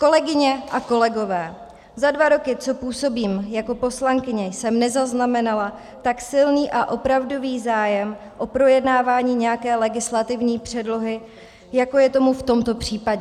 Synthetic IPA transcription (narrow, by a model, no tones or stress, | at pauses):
ko̞lɛɡɪɲɛʔako̞lɛɡo̞vɛː | zadvaɾo̞kɪt͡so̞puːso̞biːmjako̞po̞slaŋkɪɲɛjsɛmnɛzaznamɛnala | t̪aksɪlniːʔaʔo̞pɾavdo̞viːzaːjɛm | ʔo̞pɾo̞jɛdnaːvaːɲiːɲɛjakɛːlɛɡɪslat̪ɪvɲiːpr̝̥ɛdlo̞ɦɪ | jako̞jɛt̪o̞muft̪o̞mt̪o̞pr̝̥iːpaɟɛ